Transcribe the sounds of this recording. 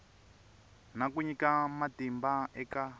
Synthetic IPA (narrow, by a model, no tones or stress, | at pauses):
nakuɲikamatimbaɛka